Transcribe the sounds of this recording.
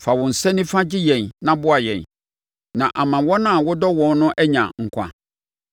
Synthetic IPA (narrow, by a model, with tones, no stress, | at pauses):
fa˨wʊ̃˨n̩˨sɛ˦nɪ̃˦fã˦d͡ʑɪ˦jɛ̃˨nnã˦bʊ˦a˨jɛ̃˨n | nã˨ʔa˨mã˨wɔ̃˦nã˦˨wʊ˦dɔ˦wɔ̃˨n˦nʊ̃˦ʔɛ˦ɲã̰˨ŋ̩˨kʷʰa̰˨